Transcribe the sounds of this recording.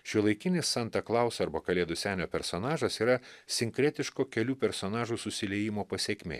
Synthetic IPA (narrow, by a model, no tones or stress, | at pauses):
ʃʲɪlˠɐɪkʲɪnʲɪsːɐnt̪ɐklˠɑˑʊsɐɾbɐkɐlʲeɛd̪ʊsʲæːnʲoːpʲɛɾsoːnɑːʒɐsiːɾɐsʲɪŋʲkɾʲɛt̪ʲɪʃkoːkʲɛlʲuːpʲɛɾsoːnɑːʒuːsʊsʲɪlʲɛjɪmoːpɐsʲeːkʲmʲḛː